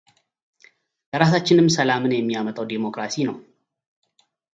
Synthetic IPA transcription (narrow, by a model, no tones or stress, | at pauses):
ləɾasat͡ʃːɪnɨmːsəlamɨnjɛmːijamət̪ʼawd̪emo̞kɾasinəw